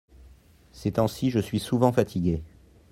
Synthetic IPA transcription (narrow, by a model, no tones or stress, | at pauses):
sɛt̪ɑ̃siʒəsɥisuvɑ̃fat̪ʰiɡʲe